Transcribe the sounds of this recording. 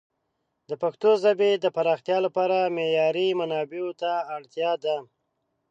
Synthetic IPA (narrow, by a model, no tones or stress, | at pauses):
d̪əpaxt̪ozabed̪əpaɾɑxt̪jɑlapɑɾamejɑɾimanɑbeot̪aːɽt̪jɑd̪a